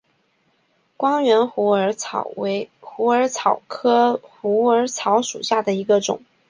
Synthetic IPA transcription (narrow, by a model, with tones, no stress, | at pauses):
kwɑ˥ŋɥɛ˧˥nxṵ˧˥˧ɪxu˧˥ə˞˧˥t͡sʰɑ˨˩ʊkʰɤ˥xu˧˥ə˞˧˥t͡sʰɑ˧˥ʊʂṵ˨˩ɕja˥˩d̪ə˩i˧˥ɡə˧ʈ͡ʂʊ̰˨˩˦ŋ